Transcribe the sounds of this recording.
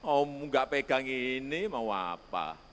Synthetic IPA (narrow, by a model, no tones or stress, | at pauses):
ɔuŋɡaʔpeɡ̥a̤ŋinimaua̰pa̰